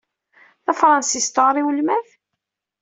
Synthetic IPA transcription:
θɑfɾˤɑnsist̪əʁɾˤiwəlmæθ

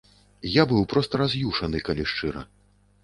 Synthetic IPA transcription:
jabɨwpɾɔst̪ɐɾazʲjuʂɐnɨkalʲiʂt͡ʂɨɾɐ̰

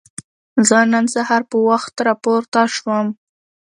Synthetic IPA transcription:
zənansahaɾpəwaxt̪ɾɑpoɾt̪aʃwəm

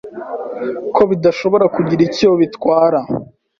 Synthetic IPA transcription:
kʰo̞βidaʃo̞βo̞ɾakuɟiɾicijoβitwaːɾa

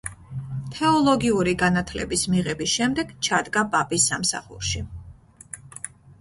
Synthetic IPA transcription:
t̪ʰɛɔlˠɔɡiuɾiɡanat̪ʰlɛ̰bismiʁɛbisʃɛmd̪ɛɡ̥t͡ʃʰad̪ɡabapʼisːamsa̰χṵɾʃi

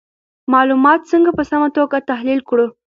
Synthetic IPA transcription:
mɑlumɑt̪t͡səŋɡapəsamat̪oɡat̪aɦlilkɽu

